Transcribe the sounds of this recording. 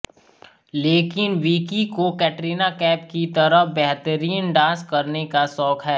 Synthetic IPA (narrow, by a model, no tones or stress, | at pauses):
leːkɪnʋiːkikokɛːʈɾiːnakɛːp̚kit̪ɐɾəɦbɛɦt̪əɾiːənɖãːskɐɾnekasɔːkɦɛː